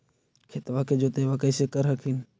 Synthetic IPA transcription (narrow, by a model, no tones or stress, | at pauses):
kʰet̪ʋaːkʰeːd͡ʒoːt̪eːʋaːkəiseːkəɾɦəkʰiːn